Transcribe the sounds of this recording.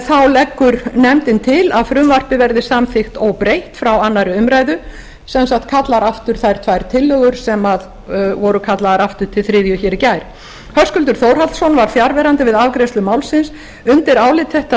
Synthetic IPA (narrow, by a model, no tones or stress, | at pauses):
θawlɛkːʏɾnɛmt̪ɪnt̪ʰɪlaðfɾʏmvar̥pɪvɛɾðɪsamθɪxt̪owpɾejht̪fɾawanːaɾʏʏmɾajðʏ | sɛnsakt̪̚kʰat̪laɾaft̪ʏɾ̥θajɾ̥t̪ʰvajɾt̪ʰɪlːœɣʏɾ̥sɛmað | vɔɾʏkʰat̪laɣaɾaft̪ʏɾ̥t̪ʰɪlθɾɪːðjʏçɛːɾɪcajɾ̥ | hœɾ̥skʏlt̪̬ʏɾ̥θoːwɾ̥halsɔnvaɾ̥fjaɾvɛːɾant̪ɪvɪðavkɾejst̪lʏmaːwlsɪns | ʏnt̪ɪɾaːwlɪt̪ʰːɛht̪a